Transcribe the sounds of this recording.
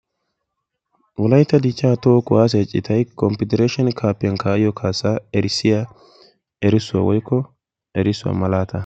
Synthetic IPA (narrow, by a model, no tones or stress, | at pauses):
wʊlɐjt̪ːɐd̪it͡ʃʼːaːt̪oːkʊʔaːs̬ɛt͡ʃʼːɪt̪ɐjkɔmpɪd̪ɛɾeːʃɛnkʰaːpːɛnkaːʔɪjɔkʰaːsaɛɾɪsːɪja | ɛɾɪsʊwa̰wɔjkːɔ | ʔɛɾɪsʊwa̰mɐlaːt̪ʰɐ